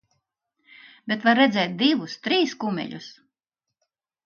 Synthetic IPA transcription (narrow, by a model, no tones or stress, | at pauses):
bʲet̪vaɾːɛd̪zɛjt̪̚d̪ivust̪ɾiːskumʲɛ̰ʎʲus